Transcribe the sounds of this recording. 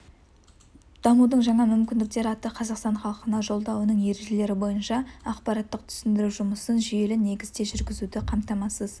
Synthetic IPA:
d̪̥ɑmud̪əɴʒɑɴɑmʏmkʲɪnd̪ɪk̚t̪e̞ɾɪɑt̪əqʰɑzɑqst̪ɑnχɑlˠqənɑʒo̞lˠd̪ɑwənəɴje̞ɾe̞ʒe̞le̞ɾɪbo̞jənʃɑɑqpɑɾɑt̪ːəq̚t̪ʰʏ̥sɪnd̪ɪɾuwʒʊməsənʒʏje̞lɪne̞ɡʲɪzd̪e̞ʒʏɾɡʲɪzud̪ɪqʰɑmt̪ɑmɑsəz

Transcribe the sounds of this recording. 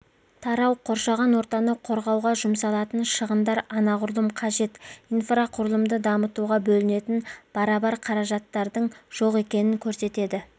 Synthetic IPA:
t̪ʰɑɾɑwqʰo̞ɾʃɑʁɑnwo̞ɾt̪ɑnəqʰo̞ɾʁɑwʁɑʒʊmsɑlˠɑt̪ənʃəʁənd̪ɑɾɑnɑʁʊɾlˠəmqʰɑʒe̞t̪ijnfraqʰʊɾəlˠəmd̪əd̪ɑmət̪uʁɑbɵlɪne̞t̪ɪnb̥ɑɾɑbɑɾqʰɑɾɑʒɑt̪ːɑɾd̪əɴʒ̥o̞qe̞kʲe̞nɪŋkʲʰɵɾse̞t̪e̞d̪ɪ

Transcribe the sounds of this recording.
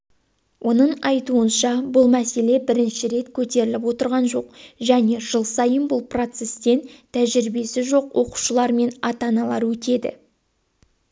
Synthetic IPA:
wʔo̞nəɴɑjt̪uənʃɑbʊlˠmæse̞le̞bɪɾɪnʃɪɾe̞t̪kʲʰɵt̪e̞ɾɪlɪpwo̞t̪əɾʁɑnʒo̞q̚ʒæne̞ʒəlˠsɑjənbʊlˠpro̞t̪se̞st̪e̞nt̪ʰæʒɪɾɪbe̞sɪʒo̞qwʔo̞qu̥ʃəlˠɑɾme̞nɑt̪ɑnɑlˠɑɾwɵt̪e̞d̪ɪ̰

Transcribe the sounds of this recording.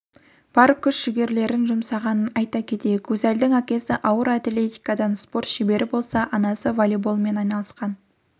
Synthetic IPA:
b̥ɑɾkʰʲːʏʃʃɪɡʲe̞ɾle̞ɾɪnʒʊmsɑʁɑnənɑjt̪ɑkʲʰe̞t̪e̞jekwɵzæld̪ɪŋækʲe̞sɪʔɑwəɾat̪le̞t̪ijkɑd̪ɑnspo̞ɾt̪ʃibe̞ɾʔɪbo̞lˠsɑʔɑnɑsəvolʲibolˠme̞nɑjnɑlˠəsqɑn

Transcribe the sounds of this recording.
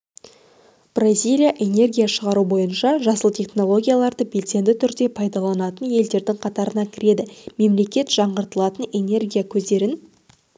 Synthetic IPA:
b̥razʲijlʲijaʔe̞ne̞rɡʲijaʃəʁɑɾubo̞jənʃɑʒɑsəlˠt̪ʲʰeχno̞lˠo̞ɡʲijalˠɑɾd̪əbe̞lse̞nd̪ɪt̪ʰʏɾd̪e̞pʰɑjd̪ɑlˠɑnɑt̪ənje̞ld̪e̞ɾd̪ɪŋqʰɑt̪ɑɾənɑkʲʰɪɾe̞d̪ɪme̞mle̞kʲe̞t̪ʒ̥ɑɴʁəɾt̪əlˠɑt̪əne̞ne̞rɡʲijakʲʰɵzd̪e̞ɾɪn

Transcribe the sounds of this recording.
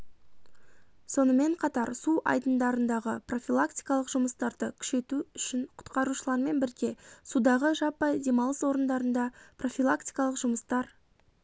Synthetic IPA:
so̞nəme̞ɴqʰɑt̪ɑɾsuʔɑ̰jd̪ənd̪ɑɾənd̪ɑʁəpʰro̞fʲilˠakt̪ijkɑlˠəqʒ̥ʊməst̪ɑɾd̪əkʲʰʏ̥ʃe̞t̪uʏʃɪɴqʰʊ̥t̪qɑɾuʃəlˠɑɾme̞nbɪɾɡʲe̞sud̪ɑʁəʒɑpːɑd̪e̞mɑlˠəswo̞ɾənd̪ɑɾənd̪ɑpro̞fʲilˠakt̪i̥jkɑlˠəqʒʊməst̪ɑɾ

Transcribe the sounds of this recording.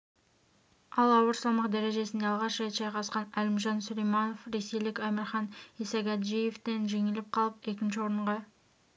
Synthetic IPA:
ɑlˠɑwəɾsɑlˠmɑqd̪æɾe̞ʒe̞sɪnd̪eɑlˠʁɑʃʒɑjt̪ʒɑjqɑsqɑnælɪmʒɑnsʊlejmɑnofɾe̞sejlɪkʲæmɪɾχɑnisɑɡæt̪ʒijeft̪e̞nʒe̞ŋɪlɪp̚qʰɑlˠəpe̞k̬ʲɪnʃɪwo̞ɾəɴʁɑ

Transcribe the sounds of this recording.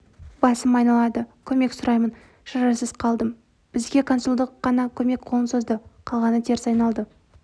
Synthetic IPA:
bɑsəmɑjnɑlˠɑd̪əkʲʰɵme̞ksʊɾɑjmən | ʃɑɾɑsəzqʰɑlˠd̪əm | b̥ɪzɡʲe̞kʰo̞nsulˠd̪əqːɑnɑkʲʰɵme̞kqʰoənsozd̪əqʰɑlˠʁɑnət̪ʰe̞ɾsɑjnɑlˠd̪ə

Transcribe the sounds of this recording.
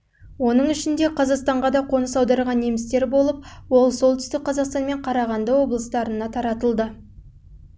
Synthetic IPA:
wo̞nəɴɪʃɪnd̪e̞qʰɑzɑqst̪ɑɴʁɑd̪ɑqʰo̞nəsɑwd̪ɑɾʁɑnːemɪst̪e̞ɾbo̞lˠəp̚wolˠso̞lˠt̪ʏst̪ɪk̚qʰːɑzɑqst̪ɑnme̞ɴqʰɑɾɑʁɑnd̪əwo̞blˠəst̪ɑɾənɑt̪ʰɑɾɑt̪əlˠd̪ə

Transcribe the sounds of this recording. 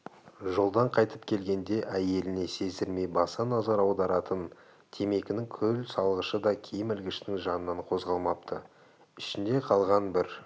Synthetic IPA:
ʒolˠd̪ɑɴqʰɑjt̪əp̚kʲʰe̞lɡʲe̞nd̪e̞ʔæje̞lɪne̞se̞zd̪ɪɾme̞jbɑsɑnɑzɑɾɑwd̪ɑɾɑt̪ən | t̪ʰe̞me̞kʲɪnɪŋkʲʰɵlsɑlˠʁəʃəd̪ɑkʲʰejɪmɪlɡʲɪʃnɪŋʒɑnənɑɴqʰo̞zʁɑlˠmɑp̚t̪ʰə̰ | ɪʃɪnd̪e̞qʰɑlˠʁɑnbɪɾ

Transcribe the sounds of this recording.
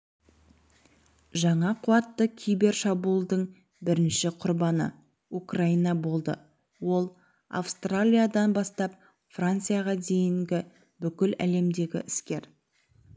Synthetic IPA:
ʒɑɴɑqʰʊɑt̪ːəkʲʰijbe̞rʃɑbulˠd̪əɴ | bɪɾɪnʃɪqʰʊɾbɑnə̰ | ukrainɑbo̞lˠd̪ə̰ | wo̞lˠ | a̰fst̪ralʲijad̪ɑnbɑst̪ɑp̚ | frant̪sɨjaʁɑd̪e̞jɪŋɡʲɪ | bʏkʲɪlæ̰le̞md̪e̞ɡʲɪ̰ʔɪskʲe̞ɾ

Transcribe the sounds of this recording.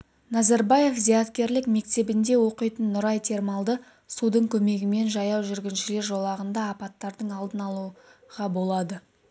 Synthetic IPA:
nɑzɑɾbɑje̞fzijɑt̪kʲe̞ɾlɪkme̞kt̪e̞bɪnd̪e̞wo̞qəjt̪ənːʊɾɑjt̪ʰe̞ɾmɑlˠd̪ə | sud̪əɴkʲʰɵme̞ɡʲɪme̞nʒɑjɑwʒʏɾɡʲɪnʃɪle̞ɾʒo̞lˠɑʁənd̪ɑːpɑt̪ːɑɾd̪əɴɑlˠd̪ənɑlˠuʁɑbo̞lˠɑd̪ə

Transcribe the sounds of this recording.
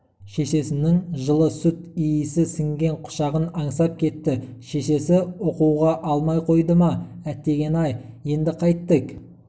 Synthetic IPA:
ʃe̞ʃe̞sɪnɪŋʒəlˠəsʊt̪ijɪsɪsɪŋɡʲe̞ɴqʰʊ̥ʃɑʁənɑɴsɑp̚kʲʰe̞t̪ːɪʃe̞ʃe̞sɪoquwʁɑʔɑlˠmɑjqʰo̞jd̪əmɑæt̪ːe̞ɡʲe̞nɑjje̞nd̪ɪqʰɑjt̪ːək

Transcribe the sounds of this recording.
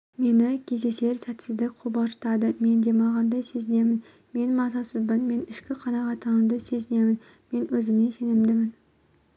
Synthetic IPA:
me̞nɪkʲʰe̞zese̞ɾsæt̪sɪzd̪ɪkʲqʰobɑʃt̪ɑd̪ɪme̞nd̪emɑʁɑnd̪ɑse̞zɪne̞mɪn | me̞nmɑzɑsɪzbɪnme̞nɪʃkʲɪqʰɑnɑʁɑt̪ʰːɑʁɑnd̪ase̞zɪnemɪn | me̞nɵzɪmnese̞nɪmd̪ɪmɪn

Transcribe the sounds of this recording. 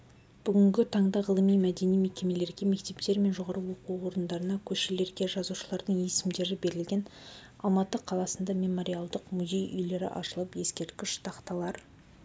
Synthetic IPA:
b̥ʏɡʲʏŋɡʲɪt̪ʰɑɴd̪ɑʁəlˠəmijmæd̪e̞nijme̞kʲe̞me̞le̞ɾɡʲe̞me̞k̚t̪e̞pt̪e̞ɾme̞nʒo̞ʁɑɾəwo̞quwo̞ɾənd̪ɑɾənɑkʲʰɵʃele̞ɾɡʲe̞ʒɑzuʃəlˠɑɾd̪əɴje̞sɪmd̪e̞ɾɪbe̞ɾɪlɡʲe̞n | ɑ̰lˠmɑt̪əqʰɑlˠɑsənd̪ɑmʲe̞mo̞ɾʲijalˠd̪əqmuzʲe̞jʏ̰jle̞ɾɪ̰ʔɑ̰ʃəlˠəpje̞skʲe̞ɾt̪̚kʲɪʃt̪ʰɑqt̪ɑlˠɑɾ

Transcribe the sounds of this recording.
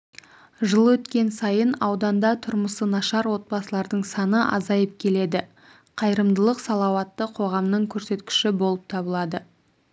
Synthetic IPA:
ʒəlˠwɵt̪kʲe̞nsɑjənɑwd̪ɑnd̪ɑt̪ʰʊɾməsənɑʃɑɾwo̞t̪̚bɑsəlˠɑɾd̪əɴsɑnəʔɑ̰zɑjəp̚kʲʰe̞le̞d̪ɪ | qʰɑjɾəmd̪əlˠəqsɑlˠɑwɑt̪ːəqʰo̞ʁɑmnəɴkʲʰɵɾse̞t̪kʲɪ̥ʃɪbo̞lˠəp̚t̪ʰɑbəlˠɑd̪ə

